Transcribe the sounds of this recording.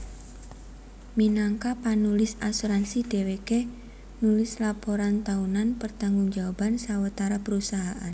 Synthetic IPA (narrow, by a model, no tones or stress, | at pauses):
minaŋkapanulɪsasuɾansid̪̥eweke | nulɪslapoɾant̪aunanpərt̪aŋɡʊŋd͡ʒawab̥ansawət̪aɾapəɾusaɦaʔan